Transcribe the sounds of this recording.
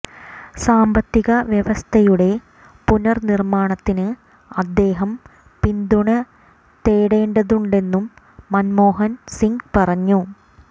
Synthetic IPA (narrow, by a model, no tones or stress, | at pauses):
saːmbɐt̪ːiɣɐʋjeʋɐst̪ʰɐjuɽe̞ | punɐrnirmaːɳɐt̪ːinɨ | ɐd̪ːe̞ːɦɐm | pind̪uɳɐ | t̪eːɽe̞ːɳɖɐðuɳɖe̞nːumː | ɐnmo̞ːɦɐnsiŋɡpɐrɐɲːu